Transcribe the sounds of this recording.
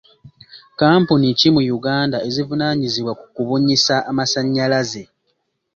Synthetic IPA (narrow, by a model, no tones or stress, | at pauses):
kaːmpunicimujuɡaːndae̞zivunaɲiziβwakukuβuɲisaʔːmasaɲːalaze̞